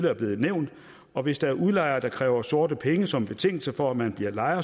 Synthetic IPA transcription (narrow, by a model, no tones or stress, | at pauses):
ləæɐb̥le̝ːð̩ˠneʊ̰nd̥ | ɒ̽ʋe̝sd̥ɑ̈æɐʔuðˠlɑ̈ɪɐːd̥ɑ̈kʰʁɛ̰ːʊɐso̝ɐdəpʰeŋəsɒ̽mb̥e̝t͡sʰe̝ŋ̰l̩sɐfɒ̽æmænb̥liɐlɑ̈ɪɐ